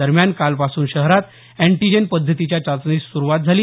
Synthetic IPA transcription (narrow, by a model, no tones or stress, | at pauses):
əɾmjankalpasuːnɕəɦɾat̪ | æ̃ɳʈid͡ʑenpəd̪ʱːət̪it͡ɕjat͡ɕat͡sniːssuɾuʋat̪̚d͡zʱaliː